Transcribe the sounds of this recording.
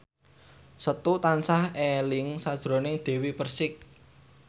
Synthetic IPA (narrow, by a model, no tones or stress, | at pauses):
sət̪ut̪ansahelɪŋsad̥ʒ̥ɾo̤nɪŋd̪̥e̤wipərsɪk̚